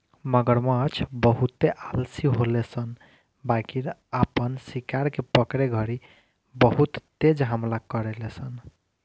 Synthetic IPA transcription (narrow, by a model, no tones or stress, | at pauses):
məɡəɾmaːt͡ʃʰbəɦut̪ːeʔalsiɦolesən | bakiɾapənsikaɾkepəkɾeɡʱʌɾi | bəɦut̪ːed͡ʒɦəmlakəɾelesən